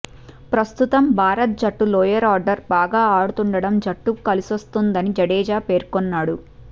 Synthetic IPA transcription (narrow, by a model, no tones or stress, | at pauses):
pɾɐst̪ut̪ɐmbʱaːɾɐt̪̚d͡ʒɐʈːulɔːjɐɾaːɾɖɐɾbaːɡaːaːɽut̪uɳɖɐɽɐmd͡ʒɐʈːukɐlisost̪und̪ɐnid͡ʒɐɽɛːd͡ʒaːpe̞ːɾkonːaːɽu